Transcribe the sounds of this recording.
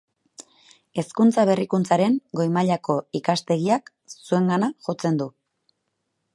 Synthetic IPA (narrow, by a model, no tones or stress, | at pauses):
e̞skunt͡saβe̞rikunt͡saɾe̞ŋɡo̞jmaʎako̞ikast̪e̞ɣiak | sue̞ŋɡanaʝo̞t͡se̞nd̪u